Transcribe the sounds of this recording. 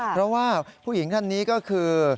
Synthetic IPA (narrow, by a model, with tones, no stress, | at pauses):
pɾɔ˦˥waː˥˩ppʰuː˥˩ji˩˦ŋt̪ʰa˥˧nːiː˦˥kɔː˥˩kʰɯː˧